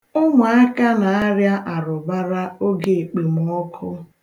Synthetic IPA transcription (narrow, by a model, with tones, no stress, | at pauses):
ʊ˦ŋʷa˨a˦ka˦na˨a˦ɾja˦ʔa˨ɾʊ˨ba˦ɾa˦o˦ɡe˨e˨k͡pe˨m̩˨˦ɔ˦kʰʊ˦